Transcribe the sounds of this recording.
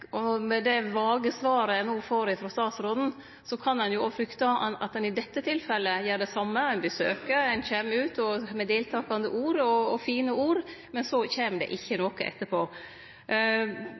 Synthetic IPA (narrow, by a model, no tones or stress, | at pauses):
ɔmɛd̪ɛʋɑːɡəsʋɑːɾəjænoːfoːɾɪfɾɔst̪ɑːsɾɔln̩ | sɔkʰɑnɛnjʊofɾʏkt̪ɑɑt̪̚d̪ɛnɪd̪ɛt̪ːət̪ʰɪlfɛlːəjæːɖɛsɑmːəænbəsø̰ːkəɾænçeːmʉːt̪ɔmɛd̪eːlt̪ʰɑːkɑnd̪əʔuːɾɔɔfiːnəuːɾmɛnsɔçeːmd̪ɛ̰ʔɪçːənɔkəʔɛ̰t̪ːəpʰoː